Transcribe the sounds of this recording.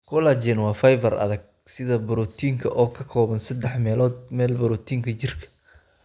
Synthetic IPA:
kʰʊːlat͡ʃɛnwɑːfɐjvɐrɐ̰ðɐɡ̚ | sɪðɐbʊɾɔːt̪ʰiːŋkʰɐʔɔːkʰɐkʰɔːβɐnsɐd̪ɛħmɛːlɔːd̪̚mɛːlbɐɾɔːt̪ʰiːŋkʰɐt͡ʃɪrkʰɐ̥

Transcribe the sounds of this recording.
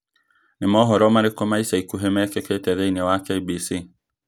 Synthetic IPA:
nɪmɔɦɔɾɔmaɾɪkɔmaisaikuɦemɛkeketɛðeinewakeibisi

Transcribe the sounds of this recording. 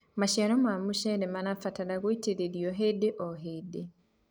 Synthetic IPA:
maʃaɾɔmamuʃɛnemanafatalaɣoiteɾeɾjɔɦedeʔɔɦede

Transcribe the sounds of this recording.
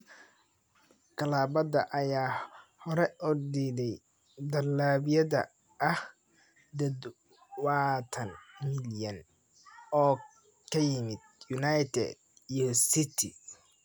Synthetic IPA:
kʰɐlaːbɐdɐʔɐjaːhɔɾɛʔɔrd̪id̪ɛj | d̪ɐlaːβɪjɐðɐ̰ | ʔɐh | d̪ɐd̪ | waːt̪ʰɐnmɪljɐn | ɔː | kʰɐjɪmɪd̪̥̚jʊnajt̪ʰɛ̰d̪̚ | ijɔsɪt̪ʰɪ

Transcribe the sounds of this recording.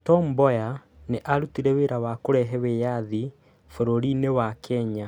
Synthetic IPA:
tɔmbɔjaneʔaɾutiɾɛweɾawakoɾɛɦɛwejaði | foɾoɾinewakʰɛɲa

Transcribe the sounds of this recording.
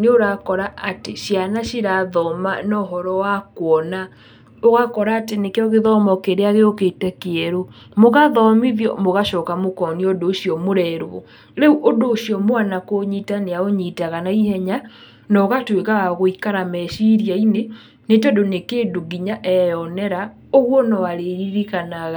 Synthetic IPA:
neoɾakɔɾaʔateɕjanaɕiɾaðɔma̰nɔɦɔɾɔwakwɔna | oɣakɔɾaːtenekeɔɣeðɔmɔkeɾeaɣeoketɛkeɛɾo | moɣaðɔmiðjɔ̰moɣaʃɔːkamokɔniodoːɕiɔmoɾɛɾɔ̰ | ɾeuʔodoːɕiɔmwanakoɲiːtaneaoɲitaɣanaihɛɲa | nɔɣatwekaɣaɣoikaɾamɛʃiɾiaine | netɛdonekeːdoɣiɲaʔɛjɔnɛɾa | oɣwɔnɔaɾeɾiɾikanaɣa

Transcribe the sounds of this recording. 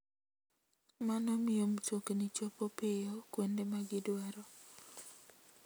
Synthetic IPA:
manɔmɪomt͡ʃoknit͡ʃopopejokwendemaɡɪdwɛɾɔ

